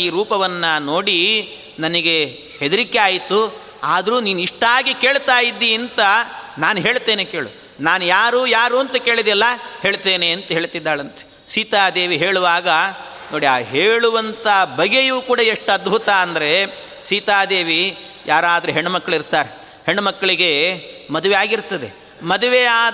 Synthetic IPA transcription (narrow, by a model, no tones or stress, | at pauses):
iːɾuːpɐʋɐnːɐno̞ːɽi | nɐnɐɡe̞ | hed̪ɐɾikeaːjit̪u | aːd̪ɐɾuːniːnuiʂʈaːɡike̞ːɭt̪aːjid̪ːiɐnt̪ɐnaːnuɦe̞ːɭt̪eːneke̞ːɭu | naːnujaːɾuːjaːɾuːɐnt̪ɐke̞ːɭid̪ɛlːɐhe̞ːɭt̪e̞ːneɐnt̪ɐɦe̞ːɭt̪id̪ːaːɭɐnt̪e̥ | siːt̪aːd̪e̞ːʋiɦe̞ːɭuʋaːɡɐ | no̞ːɽiaːɦeːɭuʋɐnt̪ɐɦɐbʱɐɡejuːkuːɽɐeʂʈɐd̪bʱut̪ɐːnd̪ɐɾe̞ | siːt̪aːd̪eːʋi | jʔaːɾaːd̪ɐɾeɦeɳːumɐkːɐɭiɾt̪aːɾe | heɳːumɐkːɐɭiɡe̞mɐd̪uʋejaːɡiɾt̪ɐd̪e̞ | mɐd̪uʋeaː